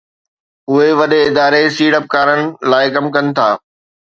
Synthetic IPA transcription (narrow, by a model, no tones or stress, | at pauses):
ʊɦeʋɐɗeɪd̪aːɾesiːɽəp̚kaːɾənɪ̆laːɪkɐmkɐnɪ̆t̪ʰaː